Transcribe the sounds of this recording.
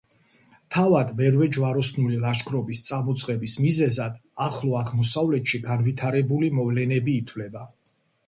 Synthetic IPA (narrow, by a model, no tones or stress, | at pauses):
t̪ʰavad̪mɛɾvɛd͡ʒvaɾɔsnulilˠaʃkʰɾɔbist̪sʼamɔt̪sʼqʼɛbismizɛzad̪̥aχlˠɔaʁmɔsavlɛt̪ʃiɡanvit̪ʰaɾɛbulimɔvlɛnɛbiːt̪ʰwlɛba